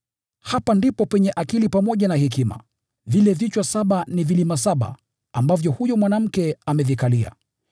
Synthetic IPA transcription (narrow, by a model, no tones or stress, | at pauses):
hapandipɔpɛɲɛʔakilipamɔʄanahik̬ima̰ | vilɛvit͡ʃwasaɓanivilimasaɓa̰ | ambavjɔhujɔmwanam̩kɛamɛvikalia̰